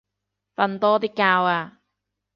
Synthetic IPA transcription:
fɐ˧nt̪ɔː˥t̪iː˥kːaː˧waː˧

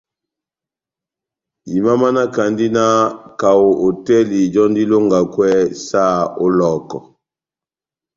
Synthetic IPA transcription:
i˨ma˦ma˦na˦ka˨ndi˦na˦ka˨wo˨ʔo˨tɛ˦li˨d͡ʒɔ˦ndi˦lo˦ŋɡa˨kwɛ˦sa˦˨o˦lɔ˦˨kɔ˨

